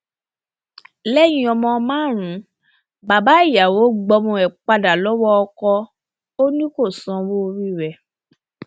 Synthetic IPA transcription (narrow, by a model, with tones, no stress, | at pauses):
lɛ˦j̃ĩ˧ɔ˧mɔ̃˧mãː˦˨ɾ̃ũ˨˦ | ba˨ba˨˦i˦˨ja˨wo˨˦ɡ͡bɔ˧mũ˧ɛ˨k͡pa˧da˨lɔ˨˦wɔ˦ɔ˧kɔ˧ | o˦nĩ˦ko˦˨sɔ̃˧˦wo˦˧ɾi˦˨ɾɛ˨